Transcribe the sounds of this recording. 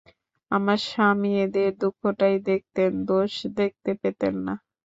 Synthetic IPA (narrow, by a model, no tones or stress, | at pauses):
amaɾʃamied̪eɾd̪ukʰːoʈajd̪ek̚t̪end̪oʃd̪ek̚t̪epet̪ḛnːa